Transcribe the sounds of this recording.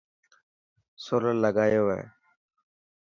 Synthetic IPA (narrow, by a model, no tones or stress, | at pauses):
soːləlləɡaːjoːʋḛː